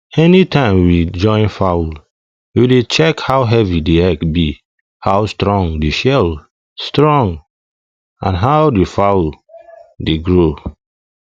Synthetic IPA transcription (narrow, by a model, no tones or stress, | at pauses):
ɛnitʰãɪ̃mwid͡ʒɔ̃ɪ̃nfawl | widet͡ʃɛkhawɦɛvideɛkbi | hawstɹɔ̃ŋdeʃɛl | stɹɔ̃ŋ | ã̰nɦawdefawl | deɡɹo